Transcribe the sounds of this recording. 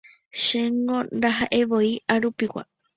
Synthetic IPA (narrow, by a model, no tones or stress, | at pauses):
ʃeŋɡõ̞ɾaɦaʔe̞ʋo̞iaɾupiwa̰